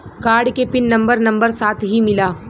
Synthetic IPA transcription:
kaːɾɖkepɪnːɐ̃mbəɾnɐ̃mbəɾsaːt̪ʰɦimɪlaː

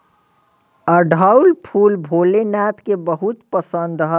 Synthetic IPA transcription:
əɖʱaulpʰuːlbʱoːlenat̪kebəɦut̪pəsə̃nd̪ɦɔ

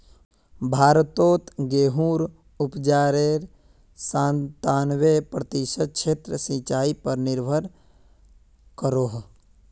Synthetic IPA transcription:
bʱaːɾt̪oːt̪ɡeːɦuːɾ | ʊpd͡ʒaːɾeːɾ | sãːnt̪aːnwepɾət̪ɪʃəd̪̚kt͡ʃʰeːt̪ɾəsĩt͡ʃaːipəɾnɪɾbʱəɾ | kəɾoːɦ

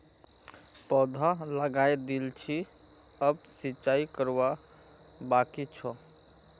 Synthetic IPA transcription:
pɔd̪ʱaləɡajd̪elt͡ʃʰi | əb̚sit͡ʃaikəɾʋa | bakit͡ʃʰɔ

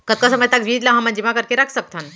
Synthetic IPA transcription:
kət̪̚kasəməjt̪akʋiːt̪laɦãmə̃nd͡ʑimakəɾkeɾakʰsək̚t̪ʰan

